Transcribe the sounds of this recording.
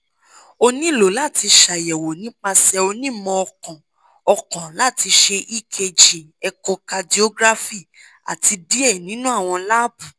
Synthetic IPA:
o˧nĩ˦lo˨˦la˦˨ti˧ʃa˨jɛ˨wo˨nĩ˦k͡pa˧sɛ˧o˧nĩ˦mɔ̃˧ɔ˧kɔ̃˨ | ɔ˧kɔ̃˨la˦˨ti˧ʃe˧ʔi˦kʰe˧˨d͡ʒi˨ | ɛ˧kɔ˧ka˧di˦o˦ɡɾa˦fi˦˨ | a̰˨ti˧di˦ɛ˦˨nĩ˨˦nũ˦a˦˨w̃ɔ̃˧la˦bũ˨

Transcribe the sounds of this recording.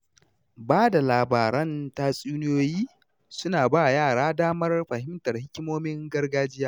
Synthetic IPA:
baː˦da˨laː˨baː˨ɾɐ˦nta˦sʼuː˦nɪ˦joː˦jiː˦ | sʊ˦naː˨baː˦˨jaː˦˨ɽaː˦daː˦mɐ˦rɸɐ˨ɦɪ˦mtɐ˨rhɪ˦kʲɪ˦moː˦mɪ˦ŋɡɐ˦rɡaː˦d͡ʒɪ˦jaː˦

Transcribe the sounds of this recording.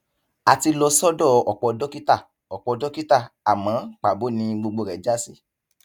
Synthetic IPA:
a˧ti˧lɔ˧sɔ˦dɔ˦˨ɔ˨k͡pɔ˧dɔ˦ki˦ta˦˨ | ɔ˨k͡pɔ˧dɔ˦ki˦ta˦˨a˨mã˨˦k͡pa˨bo˨˦nĩ˧ɡ͡bo˧ɡ͡bo˧ɾɛ˨˦d͡ʒa˦si˦˨

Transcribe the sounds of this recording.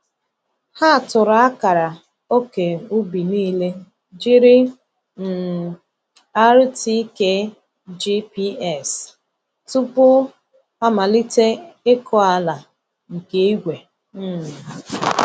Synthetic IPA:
ha˦˨tʊ˨ɾa˨˦a˦ka˨ɾa˨ | o˦ke˨u˦bi˨niː˦le˦ | d͡ʒi˦ɾɪ˦ | n̩˨ | a˦ɾti˦ke˦ | d͡ʒi˦pi˦ɛ˦˨s | tu˦pʊ˦ | a˦ma˨li˦te˦ɪ˦kʰɔ˦a˦la˨ | ŋ̩˨ke˦i˦ɡʷe˨ | m̩˦˨

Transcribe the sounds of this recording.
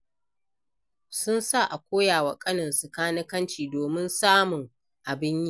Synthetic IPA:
sʊ˦nsa˦˨ʔa˨kʷoː˦jaː˨wɐ˨kʼɐ˦nɐ˨nsʼɐ˨kaː˦nɪ˦kɐ˦nt͡ʃiː˨doː˨mɪ˦nsaː˦mʊ˨ŋ | ʔa˨bɪ˦ɲji˦˨

